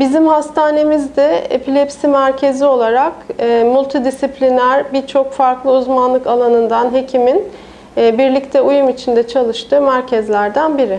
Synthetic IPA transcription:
bizimhast̪ʰaːne̞mizd̪ɛḛpʰilʲɛpsimæɾcʰe̞zio̞lˠaɾakːmulʲˠt̪ʰid̪isiplʲinæɾbiɾt͡ʃʰo̞kfaɾklˠɯuzmanlˠɯkalˠanɯnd̪anɦe̞cʰiminː | biɾlʲict̪ʰɛujumit͡ʃʰind̪ɛt͡ʃʰalˠɯʃt̪ʰɯːmæɾcʰɛzlʲæɾd̪ænbiɾɪ

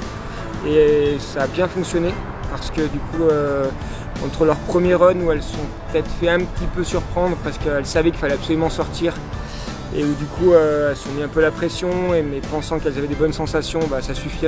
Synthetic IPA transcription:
esaːbjɛ̃fɔ̃ksjɔne | paʁsə̥kəd̪ykʰuø | ɑ̃t̪χəlœʁpχəmjɛʁɔnuɛlsɔ̃pə̥t̪ɛt̪χfɛɛ̃pət̪ʰipøsyʁpχɑ̃d̪ʁəpaʁsə̥kəɛlsavɛkʲilfalɛapsɔlymɑ̃sɔʁt̪iːʁ | ḛud̪ykʰuøɛlsɔ̃miɛ̃pøalapχesjɔ̃emɛpɑ̃sɑ̃kɛlzavɛd̪ebɔnsɑ̃sasjɔ̃basasyfi

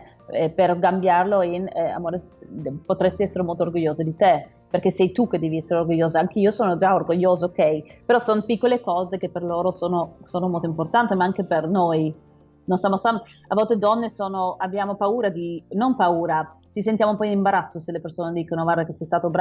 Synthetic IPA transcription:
perɡambjarloina̰moːɾespot̪ɾest̪iɛsːeɾemolt̪oːrɡoʎːoːzed̪it̪e | peɾrkesɛjt̪uk̟ed̪ːɛːviɛsːeɾeorɡoʎːoːzaaŋk̟eiːosoːnod͡ʒaorɡoʎːoːzaokɛjpeɾɔsonopikːolekɔːzekepːerloːɾosoːnosoːnomolt̪oimport̪ant̪imaaŋk̟epernoj | nonsjamosamavːɔlt̪ed̪ɔnːesoːnoabːjaːmopauːɾad̪inompauːɾat̪isent̪jaːmopɔjinimbaɾat̪sːoselːepersoːned̪iːkonoɡwaɾd̪akesɛjst̪aːt̪obɾ

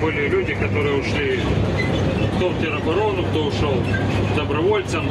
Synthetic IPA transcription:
bɨlʲɪlʲudʲɪkɐt̪oɾɨjəʊʂlʲi | kt̪owtʲɪɾɐbɐɾonʊkt̪oʊʂolˠ | d̪ɐbɾɐʋolʲt̪sɐm

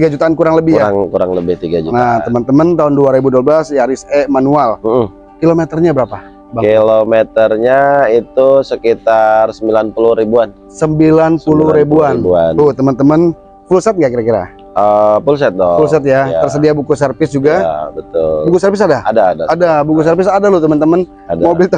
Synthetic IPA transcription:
t̪iɡad͡ʒut̪aːnkuɾaŋləbɪhjɾaŋkuɾa̰ŋləbɪht̪iɡad͡ʒutnat̪əmənt̪əmənt̪aʊnduaɾebuduabəlasjaɾɪsemanualm̩ | kilomet̪ərɲabəɾapa | bakilomet̪ərɲait̪usəkit̪arsəmbilanpuluhɾibuan | səmbilanpuluhɾebuanbua̰nut̪əmənt̪əmən | fulsat̪̚ŋɡaʔkiɾakiɾa̰ | əpuls̬ɛt̪̚dɔfulsat̪̚jat̪ərsədiabukusərpɪsd͡ʒuɡabət̪ʊ̰lukusɛrpɪs̬adaadadaadabukus̬ɛrpɪsadalut̪əmənt̪əmən | adamobɪlt̪

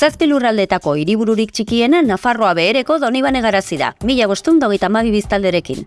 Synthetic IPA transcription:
saspilurald̪e̞t̪ako̞iɾiβ̞uɾuɾik̚t͡ʃikie̞nanafaro̞aβe̞ːɾe̞ko̞ðo̞niβ̞ane̞ɣ̞aɾasiða̰miʎaβo̞st̪und̪oɣe̞jt̪aːmaβ̞iβist̪ald̪e̞ɾe̞kḭn

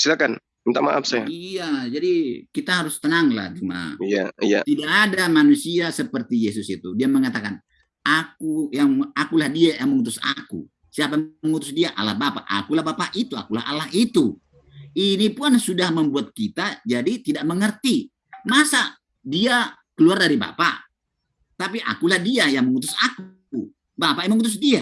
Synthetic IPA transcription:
silakan | int̪ama̰ʔafsajaijad͡ʒadikit̪aɦaɾʊst̪ənaŋla̰ht͡ʃuma̰ija̰ija̰t̪idaʔadamanusiasəpərt̪ijesʊsit̪udiaməŋat̪akan | ʔak̚ujaŋakulahdiajaŋməŋut̪̬ʊsa̰kṵ | siap̬aməŋut̪ʊsdiaʔa̰la̰hbapa̰ʔa̰kulahbapaʔit̪ua̰kulaha̰lahit̪u | inipuansudahməmbuat̪̚kit̪ad͡ʒadit̪idaʔ̚məŋərt̪i | masa | diakəluardaɾiba̰pa̰ | t̪apiʔa̰kulahdiajaŋməŋut̪̬ʊsak | bapaʔjməŋut̪̬ʊs̬dia

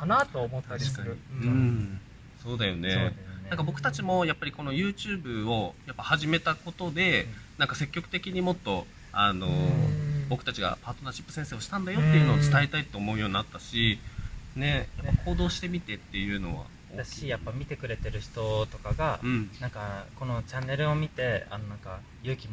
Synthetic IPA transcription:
kanat̪oːmot̪ːaɕi̥kaɲiɯ̟̃ː | so̞ːd̪ajo̞nenãŋkabo̞kɯ̟̥t̪at͡ɕimo̞japːaɾʲiko̞no̞jɯ̟ːt͡ɕɨːbɯ̟o̞japːahaʑime̞t̪ako̞t̪o̞d̪e̞nãŋkase̞kʲːo̞kɯ̟t̪e̞kʲiɲ̟imo̞t̪ːo̞ | ano̞ | bo̞kɯ̟t̪at͡ɕiɡa̰paːt̪o̞naɕi̥pːɯ̟̥sẽ̞seːo̞ɕi̥t̪ãnd̪ajo̞tt̪ːe̞jɯ̟no̞ːt͡sɨ̥t̪aet̪ait̪ːo̞ːmo̞ɯ̟jo̞ːɲinat̪ːaɕine̞jaːakʰo̞ːd̪o̞ːɕi̥t̪e̞mʲit̪e̞t̪ːe̞jɯ̟ːno̞βa̰ | o̰ːɕʲijapːamʲit̪e̞kɯ̟ɾe̞t̪e̞ɾɯ̟çi̥t̪o̞t̪o̞kaɡãɴnãŋkako̞no̞t͡ɕanːe̞ɾɯ̟omʲit̪e̞a̰nonãŋka | jɯ̟ːkʲimo

